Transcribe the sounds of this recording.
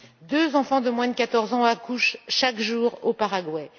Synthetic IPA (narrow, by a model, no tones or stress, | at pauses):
d̪øzɑ̃fɑ̃d̪əmwɛ̃d̪əkat̪ɔʁzɑ̃akuʃʃakʒuːʁopaʁaɡwɛ